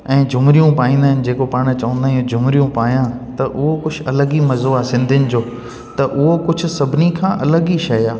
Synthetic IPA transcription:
ɛ̃ːd͡ʑʱʊmɾijũpaːĩːnd̪aːɦɪnɪ̆d͡ʑeːkopaːɽ̃t͡ɕɐʋə̃nd̪aːɦijũd͡ʑʱʊmɾijũpaːjãt̪ɐʔʊɦokʊd͡ʑʰʱɐləɡimɐzoaːsɪ̃nd̪ʱjʊnɪ̆d͡ʑoː | t̪ɐʔʊɦokʊd͡ʑʱʊ̆sɐbʱɪnikʰãːʔɐləɡiʃɐjaː

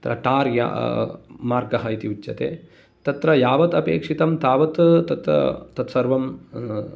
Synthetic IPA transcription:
t̪ɾɐ̰ʈaːɾja̰ː | maːɾɡɐɦɐit̪iʋit͡ʃːɐ̰t̪ḛː | t̪ɐt̪ɾɐjaːʋɐt̪ɐpeːkʂit̪ɐmt̪aːʋɐt̪t̪ɐt̪ɾɐ̰t̪ɐt̪sɐɾʋɐm

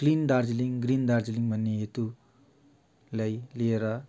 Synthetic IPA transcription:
klind̪aɾd͡ʒiliŋɡɾind̪aɾd͡ʒiliŋbʱʌnːeɦet̪u | lajlieɾʌ

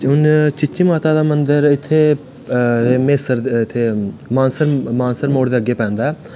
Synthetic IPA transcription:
ʊnt͡ʃɪt͡ʃiːmaːt̪aːd̪aːmənd̪əɾɪt̪ʰːeː | meːsəɾɪt̪ʰːeːmaːnsəɾmãːnsəɾmoːɽd̪eːəɡːeːpɛ̃ːnd̪aː

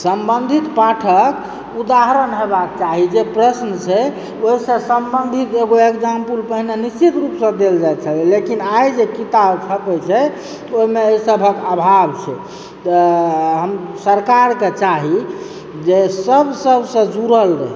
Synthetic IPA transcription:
səmbənd̪ʱit̪paʈʰək | ud̪aɦɾənɦebakt͡ʃaɦid͡ʒepɾəsnət͡ʃʰɛ | oɦisə̃səmbənd̪ʱit̪eɡoekd͡ʒampulpəɦinenist͡ʃit̪ɾupsə̃d̪eld͡ʒajt̪t͡ʃʰəlɛlekinajd͡ʒekit̪abt͡ʃʰət̪ət͡ʃʰɛ | oɦimeosəbʱəkabʱabt͡ʃʰɛ̰ | t̪əɦəmsəɾkaɾket͡ʃaɦi | d͡ʒesəbʱsəbʱsə̃d͡ʒuɾəlɾə̰ɦ

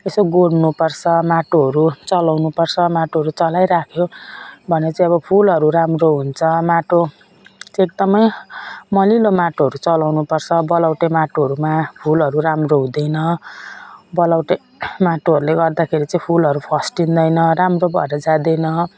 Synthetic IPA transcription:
esoɡoɽnupʌrt͡sʰʌmaʈoɦʌɾut͡sʌlawnupʌrt͡sʰʌmaʈoɦʌɾut͡sʌlajɾakʰjobʱʌnet͡saĩʌbʌpʰulʌɾuɾamroɦunt͡sʰʌmaʈo | t͡sek̚d̪ʌmʌjmʌlilomaʈoɦʌɾut͡sʌlawnupʌrt͡sʰʌbʌlawʈemaʈoɦʌɾumapʰulʌɾuramroɦũd̪ʌjnʌ | bʌlawʈe | maʈoɦʌɾuleɡʌrd̪akʰeɾit͡saĩpʰulɦʌɾupʰʌsʈind̪ʌjnʌɾamrobʱʌ̰eɾʌd͡zãd̪ʌjnʌ

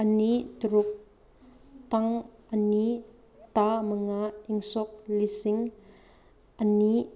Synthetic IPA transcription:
ʔənit̪uɾʊk̚ | t̪aŋəni | t̪amaŋaiŋsɔk̚lisiŋ | ʔəni

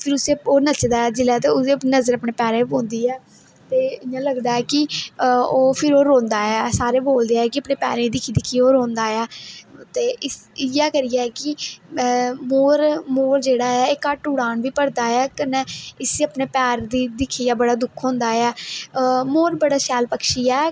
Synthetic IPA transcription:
pʰɪɾʊseːoːnət͡ʃd̪aːɛːd͡ʒɪlɛːt̪eːʊenəzəɾəpɳeːpɛːɾẽːbõːnd̪iːɛː | t̪eːɪãːləɡd̪aːɛːkɪ | oːpʰɪɾoːɾõːnd̪aːɛːsaːɾeːboːld̪eːɛːkɪəpneːpɛ̰ːɾẽd̪ɪkʰiːd̪ɪkʰːiːoːɾõːnd̪aːɛːt̪eːɪsɪjaːkəɾijaːkɪ | moːɾmoːɾd͡ʒeːɽaːɛːeːkəʈʊɽaːɳʋiːpəɽd̪aːɛːkənɛːɪsiːəpneːpɛːɾd̪iːd̪ɪkʰːiːaːbəɽaːd̪ʊkʰõːnd̪aːɛː | moːɾbəɽaːʃɛːlpəkʃiːɛː

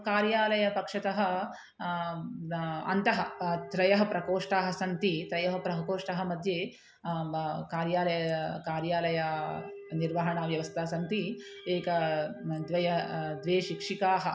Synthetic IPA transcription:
kaːɾjaːlɐjɐpɐkʂɐt̪ɐɦɐ̆ | ɐ̰nt̪ɐɦɐt̪ɾɐjɐɦɐpɾɐkoːʂʈaːɦɐsɐnt̪it̪ɾɐjɐɦɐpɾɐɦɐkoːʂʈɐɦɐ̆mɐd̪ʱjeː | kaːɾjaːlɐjɐkaːɾjaːlɐjɐ | niɾʋɐɦɐɳɐʋjɐʋɐst̪ʰɐːsɐnt̪i | eːkɐd̪ʋɐjɐd̪ʋeːʃikʂikaːɦɐ

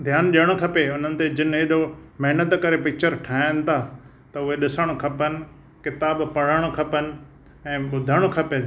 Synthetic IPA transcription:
d̪ʱjaːnɗijəɽ̃okʰɐpeʊn̤ənɪ̆t̪ed͡ʑɪnɦeɗomɐɦnət̪kɐɾepɪk̚t͡ɕəɾʈʰaːɪñɪ̆t̪ʰaː | t̪ɐʊɦeɗɪsəɽ̃okʰɐpənɪ̆ | kɪt̪aːbpɐɽ̤əɽ̃okʰɐpənɪ̆ | ɛ̃ːɓʊd̪ʱəɽ̃okʰɐpe

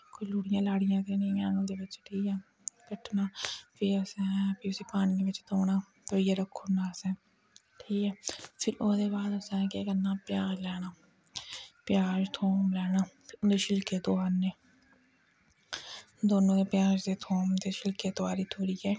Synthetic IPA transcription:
koilʊːɽɪjãːlaːɽɪjãːt̪eːneaːnõːd̪eːbɪt͡ʃʈʰiːkɛː | kəʈnaːpʰɪəsɛ̃ːɛpʰiʊsiːpaːñiːebɪt͡ʃt̪oːnaː | t̪oiːjaːɾəkʰːoːnaːsɛː | ʈʰiːkɛːpʰɪɾʔoːd̪eːbaːd̪əsɛ̃ːkekənaːpɪjaːd͡ʒlɛːnaː | pjaːd͡ʒt̪ʰoːmlɛːnaːpʰɪɾʊd̪eːʃɪlkeːt̪oaːnːeː | d̪oːnõːd̪eːpjaːd͡ʒd̪eːt̪ʰoːmt̪eːʃɪlkeːt̪oaːɾiːt̪ʰoːɽiːɛː

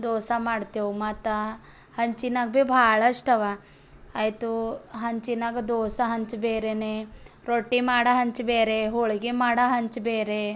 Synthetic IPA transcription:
d̪oːsamaːɽt̪iumat̪a | hɐɲt͡ʃinaɡ̚bebʱaːɭɐʂʈɐʋaː | jt̪uɦɐɲt͡ʃinaɡɐd̪oːsaɦɐɲt͡ʃbeːɾene | ɾoʈːimaːɽaɦɐɲt͡ʃbeːɾeɦoɭɡemaːɽaɦɐɲt͡ʃbeːɾe

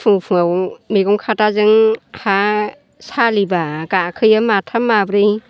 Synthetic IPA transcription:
pʰuŋpʰuŋaŋmeɡɔŋkʰatazɯŋha | salibaɡakʰɯjamatʰamabɾɯj

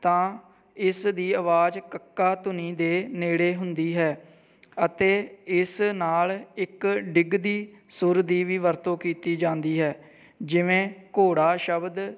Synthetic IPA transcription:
t̪ãː | ɪsd̪iːəʋaːd͡ʒkəkːaːt̪ʊnĩːd̪eːneːɽeːɦʊnd̪iːɦɛː | ət̪eːɪsnaːlɪkɖɪɡd̪iː | sʊɾd̪iːʋiːʋəɾt̪õːkiːt̪iːd͡ʒãːnd̪iːɦɛː | d͡ʒɪʋẽːkoːɽaːʃəbd̪

